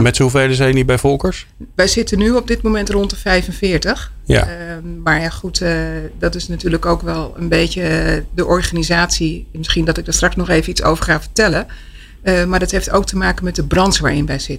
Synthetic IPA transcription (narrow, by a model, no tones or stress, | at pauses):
mɛtsuvejləzɛjənibɛjvɔlˠkəɹsʋɛjzɪtənyɔb̚dɪtmowmɛntrɔntəvɛjfənvɪːɹtəχ | ja̰maːɹjaχutdɑtɪsnatyːɹləkowkʋɛlˠə̰nbejcədəʔɔɹχaːnizaːtsimɪsχindɑtɪɡ̚dəɹstrɑksnɔχejvəitso̰wvəɹχaːvəɹtɛlən | maːɹdɑtɦefto̰wk̚təmaːkənmɛt̚dəbrɑnsʋaːɹɪnʋɛjz̥ɪtə